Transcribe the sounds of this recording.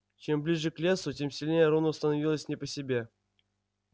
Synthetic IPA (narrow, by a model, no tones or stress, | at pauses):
t͡ɕemblʲiʐɨklʲesutʲemsʲilʲnʲejəɾonəst̪ənɐvʲilˠəsʲnʲɪpəsʲɪbʲe